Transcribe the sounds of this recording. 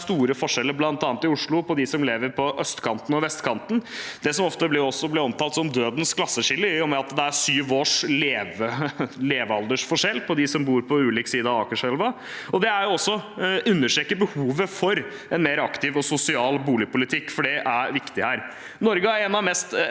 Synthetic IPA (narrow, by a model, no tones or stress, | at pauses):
st̪uːɾəfɔʂɛlːəɾblɑnt̪ɑːnt̪ɪʊʂɭʊpʰɔd̪ɪsɔmleːʋəɾpʰɔʔœst̪kʰɑnt̪ən̩ɔʋɛst̪kʰɑnt̪n̩d̪̥ɛsɔmɔft̪əblɪɾɔsːɔblɪɾɔmt̪ʰɑːlt̪sɔmd̪øːd̪ənskʰlɑsːəʂɪlːəɪjʊmɛɑt̪d̪ɛæʂyːʋoːʂleːʋəleːʋɑld̪əʂfɔʂɛlːpʰɔd̪ɪsɔmbuːɾpʰɔʉːliːksiːd̪əɑɑːkəʂɛlʋɑ | ɔd̪ɛæɾjʊɔsːɔʉnːəʂʈ̪ɾɛkːəbəhuːʋəfɔɾ | ɛnmeːɾəɑkt̪ɪʋɔsʊsɪɑːlbuːlɪpʊlɪt̪ʰɪkːfɔɖɛʔæɾʋɪkt̪ɪhæːɾ | nɔɾɡəæɾɛnɑʋmɛst̪